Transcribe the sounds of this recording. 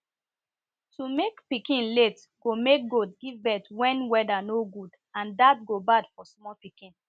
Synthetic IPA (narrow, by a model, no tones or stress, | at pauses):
tumekpikĩnlet | ɡ̥omek̚ɡod̚ɡivbɛtwɛ̃nwɛdanoɡud | ãndat̚ɡobadfɔsmɔpikĩn